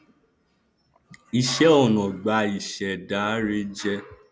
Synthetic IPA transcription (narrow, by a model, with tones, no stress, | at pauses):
i˨ʃɛ˨˦ɔ˦˨nɔ̃˨ɡ͡ba˧˦i˨ʃɛ˨da˨˦ɾe˦d͡ʒɛ˦